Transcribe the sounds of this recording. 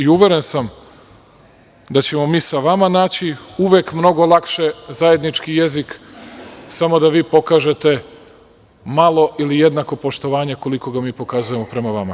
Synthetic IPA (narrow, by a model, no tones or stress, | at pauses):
iuʋe̞ɾe̞nsam | d̪at͡ɕe̞mo̞miːsaʋamanaːt͡ɕiuʋekmno̞ɡo̞lˠakʃe̞zaje̞d̪nit͡ʃkije̞zik | samo̞d̪aʋiːpo̞kaːʒe̞t̪e̞ | malˠo̞ʔilije̞d̪nako̞po̞ʃt̪o̞ʋaːɲeko̞liko̞ɡamiːpo̞kazuje̞mo̞pɾe̞maʋama